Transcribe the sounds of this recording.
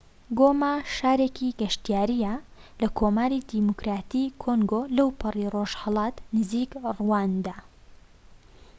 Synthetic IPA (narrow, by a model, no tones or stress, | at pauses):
ɡomaʃaːɾeːkiɡɐʃt̪jaːɾijalɐkʰoːmaːɾid̪imukɾaːt̪ikʰoŋɡolɐwpʰɨriroʒhɐlˠɑːt̪nɨziːkrwaːnd̪aː